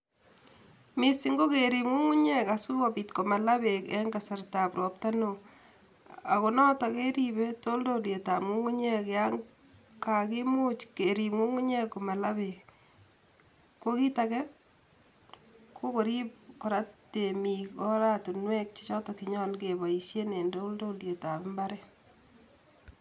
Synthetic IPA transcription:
mi˨si˦ŋɡo˦keɾi˨mŋu˦ŋu˦ɲɛ˦kasu˦abitko˨ma˨la˦bekɛ̰ŋɡasa˨rta˨pɾo˨p̚ta˦no | a˨konɔ˦ta˨ke˦ɾibe˦to˦ldolje˨tamŋu˦ŋu˦ɲekjaŋ | kaki˦mu˦t͡ʃkeɾiŋu˦ŋu˦ɲe˦ko˨ma˨laβek | ko˦ki˦takɛ˦ | kʰo˦ko˨ɾi˦p̚ko˨ɾa˦te˨mikɔ˦ɾa˦tu˨nwɛk̚t͡ʃi˦t͡ʃɔ˦tɔ˨kiɲɔ˦nkeβa˨i˨sje˦ne˨ndo˦ldo˦lje˨ta˨pɪ˦mba˦ɾɛ˦

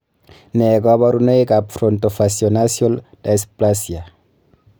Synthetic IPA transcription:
nɛ˨ɡa˦βa˦ɾu˦ne˦jka˨pfɾɔ˨nto˨fasjɔnasjɔ˦lda˨splasja˨

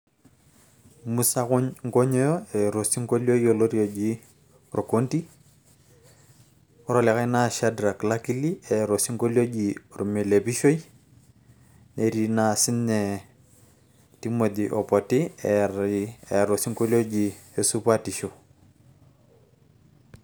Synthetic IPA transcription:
mu˦sa˦kʊ˦ɲŋ̩ko˦ɲɔ˦jɔ˦e˨ɾo˨si˦ŋko˦lo˦io˨lo˦ɾjo˨d͡ʒi˦ | ɾo˨ko˦nti˦ | ɔ˦ɾɔ˨lɛ˨ka˦jna˦ʃa˦dɾa˨kla˦ki˦li˦e˨ɾo˨si˦ŋko˦ljo˦d͡ʒiɾu˨me˨le˨pi˦ʃo˦i | nʔe˨ɾi˨na˨sɪ˦ne˨ | ti˦mo˨di˨ʔo˨pɔ˨ti˦ | e˨ɾo˨si˦ŋko˦lo˦d͡ʒi˨e˦su˦pati˨ʃo˨

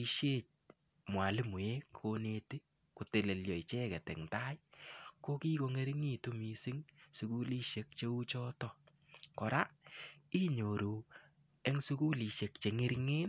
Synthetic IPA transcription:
i˧ʃe˦t͡ʃ̚ | mwa˨lɪ˦mʊ˨je˦kko˦ne˧ti˦ | ko˨te˨le˨ljɔ˨jt͡ʃɛ˦kɛ˨tɛ̰˨ŋta˦jko˦ki˦ko˧ŋe˦ɾi˦ŋi˦tu˦mi˨sɪ˦ŋsu˨ku˦li˦ʃe˨k̚t͡ʃe˧u˦t͡ʃɔ˦tɔ˦ | kɔ˨ɾa˦i˦ɲo˨ɾu˨ | e˦ŋsu˦ku˦li˨ʃe˨k̚t͡ʃe˨ŋe˦ɾi˦ŋeː˦n

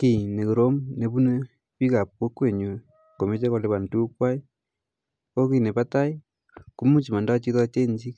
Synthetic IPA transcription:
ki˨ne˨ko˨ɾo˦mne˨βu˦ne˦ | βi˦ka˨po˦kwe˦˨ɲwe˨ | ko˨me˦t͡ʃe˦ko˨le˦βa˨n˨tu˦kwa˦i˦ | o˦ki˦˨ne˨pa˦ta˦i˦ | ku˦mu˦t͡ʃi˨ma˨nda˦t͡ʃi˦tt͡ʃe˦ɲd͡ʒi˦

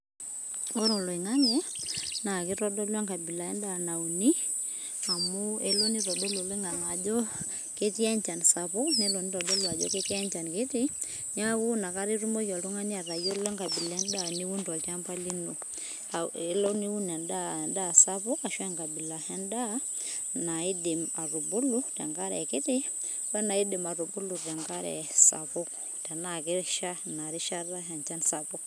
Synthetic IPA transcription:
ɔ˦ɾɔ˨lo˨i˨ŋa˦ŋɛ˦na˨ke˦ɾɔ˦dɔ˦lwa˦ŋka˨bi˨la˨ɛ˦nda˦na˨uni˦ | a˨mo˦ɛ˦lo˦ni˦ɾɔ˨dɔ˦lo˨lwe˦ŋa˨ŋa˨d͡ʒɔ˦ | ke˦ti˦a˦ɲt͡ʃa˨n˨sapu˦nɛ˦lɔ˨ni˦ɾɔ˨dɔ˦lwa˨d͡ʒɔ̰ke˦ti˦ɛ˦ɲt͡ʃa˨nke˦ti˦na˦wu˦na˨ka˦ɾi˦ɾu˦mo˦kɔ˨to˦ŋa˦ni˦a˨ɾa˨jɔ˦lɔ˦ŋka˨bi˨lɛ˦nda˦˨ni˦wu˦nda˨ka˦mpa˦li˦no˨˦ | lɔ˦ni˦wu˦nɛ˨nda˦da˦˨sa˦pu˦ka˨ʃwɛ˦ŋka˨bi˨la˨hɛ˦nda˦na˨i˦di˨ma˨ɾu˨bu˦lu˦tɛ̰˨ŋka˦ɾɛ̰˨kɪ˦tɪ˦ | wɛ˦na˨i˦di˨ma˨ɾu˨bu˦lu˨tɛ˨ŋka˦ɾɛ̰˨sa̰˨pu˦k | ta˨na˦˨kɪ˦ʃa˦na˨ɾi˦ʃa˦ra˦ɦɛ˨nt͡ʃa˦nsa˨pu˦k̚

